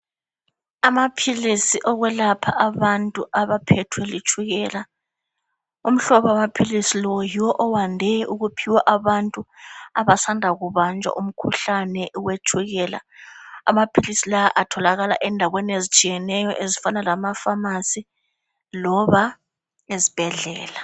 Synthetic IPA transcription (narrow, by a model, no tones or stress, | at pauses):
amapʰilisiʔɔɣwɛlapʰaʔaβantʼuʔaβapʰɛtʰwɛlit͡ʃʰʼuɣɛːla | um̩ɬɔβamapʰilisilɔjiwɔʔɔwandʱɛʔuɣupʰiwaʔaβantʼuaβasandʱaɣuβand͡ʒʱa̰ʔum̩kʰuɬanɛʔuwet͡ʃʰʼuɣɛːla̰amapʰilisilaʔatʰɔlaɣala̰ʔɛndʱaɣweniezit͡ʃʼijɛnɛjɔʔezifanalamafamasi | lɔβa | ezib̥ʱɛɮɛːla